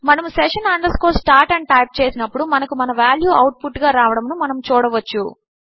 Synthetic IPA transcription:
mɐnɐmusɛʂɐnɐɳɖɐskoːsʈaːɾʈɐɳɖ̚ʈɐjp̚t͡ʃeːsinɐpːuɽumɐnɐkumɐnɐʋaːljuːʔɐwʈ̚puʈːɡaːɾaːʋɐɽɐmnumɐnɐmut͡ʃuːɽɐʋɐt͡ʃːu

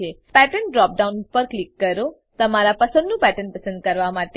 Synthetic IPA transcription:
e | pɛʈəɳɖɾɔp̚ɖaunpəɾklikːəɾo | t̪əmaɾapəsə̃nd̪nũpɛʈənpəsə̃nd̪̚kəɾʋamaʈ

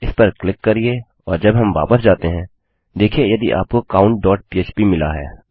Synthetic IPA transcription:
ɪspɐɾklɪkːɐɾie | ɔːɾd͡ʒɐbɦɐmʋa̰ːpəsd͡ʒaːt̪eɦɛ̃ː | d̪eːkʰiejɐd̪iʔa̰ːp̚kokaːʊ̃ɳʈ̚ɖɔːʈ̚piːeːt͡ʃpimɪla̰ɦɛ̰ː

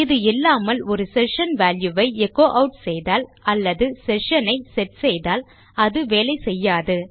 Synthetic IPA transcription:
ɪðɯɪlːaːmɐlɔɾɯsɛʂɐnʋaːljɯʋɐɪɛkːoːʔɐʊʈsɛjðaːlɐlːɐðɯsɛʂɐnɐɪsɛʈsɛjðaːl | ɐðɯʋeːlɐɪsɛjːaːðɯ

